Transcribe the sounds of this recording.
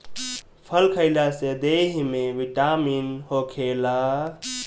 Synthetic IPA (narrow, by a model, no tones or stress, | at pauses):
pʰəlkʰəɪlased̪eɦmeʋiʈaminhokʰela